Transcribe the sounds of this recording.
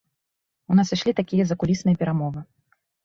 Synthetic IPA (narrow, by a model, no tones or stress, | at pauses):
unasiʂlʲit̪akʲijɐzɐkulʲisnɨjɐpʲɛɾamɔvɨ